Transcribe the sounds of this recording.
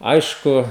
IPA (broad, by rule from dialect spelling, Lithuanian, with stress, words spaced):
ˈɐɪʃkʊ